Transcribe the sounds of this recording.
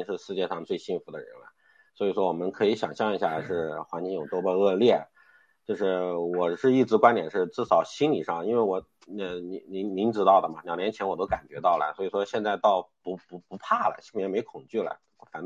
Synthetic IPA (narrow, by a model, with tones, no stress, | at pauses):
ŋʂɻ̩˥˧ʂɻ̩˥˧t͡ɕjɛ˥˧ʂɑ˥˧ŋt͡swe˥˧ɪɕi˥˧nfu˧˥d̪ə˧ɻə̰˧˥nɐ̰˧ | swɔ˧˥i˨˩ʂwɔ˥wɔ˨˩mə˦nkʰɤ˧˥i˧˥ɕjɑ˨˩ŋɕjɑ˥˩ŋi˧˥ɕja˥˧ʂɻ̩˥˩xwa˧˥nt͡ɕi˥ŋjo˨˩t̪ɔ˥bə˥˧ɤ˥˧ljɛ˥˩ | t͡ɕjo˥˧ʊʂɻ̩˥˩wɔ˨˩ʂɻ̩˥˧i˥˩ʈ͡ʂɻ̩˧˥kwa˥nt̪jɛ˨˩nʂɻ̩˥˧ʈ͡ʂɻ̩˥˩sɑ˨˩ʊɕi˥nli˨˩ʂɑ˥˩ŋi˥nwe˥˩ɪwɔ˨˧˥ | ni˧˩ni˧˥ŋmi˧˥ŋʈ͡ʂɻ̩˧˥t̪ɑ˥˩d̪ə˩mɐ˩njɑ˨˩ʊnjɛ˧˥nt͡ɕʰɛ˧˥nwɔ˨˩t̪o˥ʊka˨˩nt͡ɕɥɛ˧˥t̪ɑ˥˩ʊlə̰˩swɔ˧˥i˨˩ʂwɔ˥ɕjɛ˥˧nt͡sa˥˧ɪt̪ɑ˥˩ʊpu˧˥pu˧˥pu˧˥pʰa˥˩lə̰˩ɕi˥fu˨˩jɛ˧˥˩me˧˥ɪkʰʊ˨˩ŋt͡ɕy˥˩lə̰˩ | fa˨˥n